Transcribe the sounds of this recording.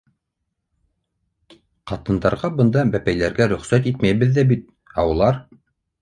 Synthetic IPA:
qɑt̪ɤ̆nd̪ɑɾʁɑbɤ̆nd̪ɑbæpæjlæɾɡæɾɵ̆χsæt̪it̪mæjβɘðːæbit̪̚ | ɑwɤ̆lˠɑɾ

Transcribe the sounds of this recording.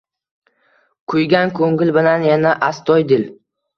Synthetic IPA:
kʰʊjɡʲankʰɵŋɪlbɪlanjanaʔast̪ʰɒjd̪ɪl

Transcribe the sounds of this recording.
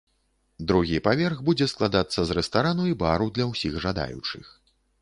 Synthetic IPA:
d̪ɾuɣʲipavʲɛrɣbud͡zʲɛsklˠad̪at̪sːɐzrɛst̪aɾanuibaɾud̪lʲɐwsʲiɣʐad̪a̰jṵt͡ʂɨ̰x

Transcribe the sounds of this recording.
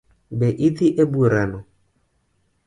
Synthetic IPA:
bɛʔiðiʔebuɾanɔ

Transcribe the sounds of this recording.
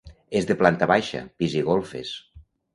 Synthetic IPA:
ezðeplant̪aβajʃa̰piziɣolˠfḛs

